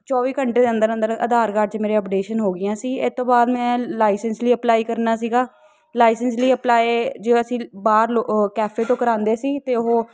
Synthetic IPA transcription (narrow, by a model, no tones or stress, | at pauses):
t͡ʃɔːʋiːkəɳʈeːd̪eːə̃nd̪əɾə̃nd̪əɾəd̪aːɾkaːɾʈ̚t͡ʃmeːɾeːɔːpɖeːʃənɦoːɡɪjãːsiːɪt̪ːõːbaːd̪mɛ̃ːlaːɪsənsliːəplaːiːkəɾnaːs̬iːɡaː | laːɪsəns̬liːəplaːeːd͡ʒeːəsĩːbaːɾlokɛːfʰeːʈoːkəɾãːnd̪eːsiːt̪eːʊɦoː